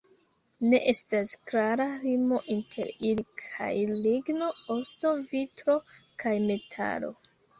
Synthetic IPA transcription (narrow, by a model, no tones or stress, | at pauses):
ne̞ʔe̞stasklaɾalimo̞ʔintʰe̞̰ɾilikʰa̰jliɡno̞osto̞vitɾo̞kʰajme̞tʰa̰lo̞̰